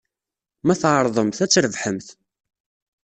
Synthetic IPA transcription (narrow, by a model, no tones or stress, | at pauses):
mæθʁəɾˤðˤəmθæt͡sːɾəvħəmθ